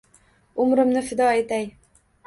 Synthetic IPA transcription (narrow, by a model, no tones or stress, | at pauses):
ʊmɾɪ̆mnɪfɪd̪ɒæjt̪æj